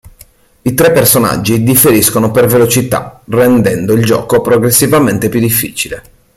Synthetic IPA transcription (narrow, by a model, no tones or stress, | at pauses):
it̪ɾepːersona̰d͡ʒːid̪ifːeɾiskonopervelot͡ʃit̪a̰rɛnd̪ɛnd̪oild͡ʒɔ̰ːkopɾoɡɾesːivament̪epjud̪ːifːḭːt͡ʃile